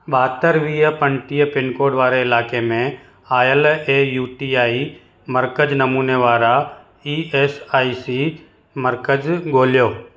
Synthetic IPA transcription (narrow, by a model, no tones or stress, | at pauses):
ɓaːt̪əɾʋiːəpə̃ɳʈiːjpɪnkoːɖʋaːɾeɪlaːkemẽ | aːjəleːjuːʈiːaːi | məɾkəd͡ʒnɐmuːneʋaːɾa | iːeːsaːisi | məɾkəd͡ʒɡoːljoː